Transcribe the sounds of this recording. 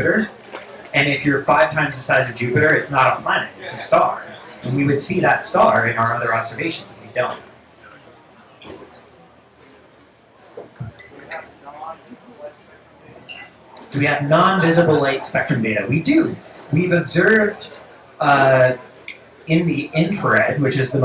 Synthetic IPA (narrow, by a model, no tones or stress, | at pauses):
ɨɾə˞ | ɨ̃nɨfjə˞faɪv̥tʰãɪ̃mzɨ̥saɪzɨvd͡ʒʉpɨɾə˞ɨtsnəɾəpʰl̥ænɨtɨtsɨstɑ̰ɹɨ̃nwiwɨd̥siðətstɑɹɨ̃naʊə˞ʌðə˞ɑbzə˞veɪʃn̩z̃nwidõʊ̃nt | d̥wiɨvnɑ̃nvɪzɨbl̩ˠlaɪtspɛk̚t͡ʃɹ̥ɨ̃mdeɪɾɨwidʉwivɨbzɜ˞vd | ɪ̃nðiʔɪ̃nfʰɛd̚wɨt͡ʃɨzðɨm